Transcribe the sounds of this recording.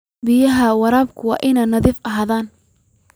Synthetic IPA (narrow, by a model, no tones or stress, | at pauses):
bɪjɐɦɐwɑɾaːbkʰʊwɑ̰ːʔɪnɛːnɐðiːfʔɐɦaːðaːn